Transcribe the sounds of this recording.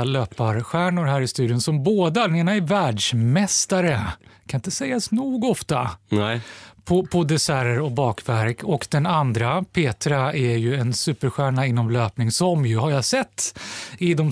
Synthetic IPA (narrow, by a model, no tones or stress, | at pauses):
løːpaɾɧæːɳʊɾɦæːɾɪst̪ʉ̟ːd̪jʊnsɔmboːd̪ad̪ɛneːnaɛɾvæːɖʂmɛst̪aɾəkʰanɪnt̪əsɛjːasnuːɡɔft̪a | pʰɔpʰɔd̪ɛsæɾəɾɔk̚bɑːkvæɾkʰɔkd̪ɛnand̪ɾapʰeːt̪ɾaæɾjɵɛnsʉ̟ːpəɾɧæːɳaɪnːɔmløːpnɪŋsɔmjɵɦaɾjasɛt̪ːɪd̪ɔm